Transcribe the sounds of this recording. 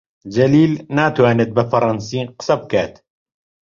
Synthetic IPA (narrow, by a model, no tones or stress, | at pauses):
d͡ʒɐliːlnaːt̪waːnet̪̚bəfɑɾˤɑnsiːqɨ̥sɐb̚kaːt̪